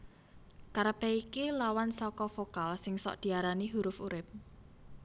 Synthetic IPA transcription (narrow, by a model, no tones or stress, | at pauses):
kaɾəpɛikilawansɔkɔfokalsɪŋsɔ̰ʔd̪̥i̤aɾaniɦuɾʊfuɾɪp̚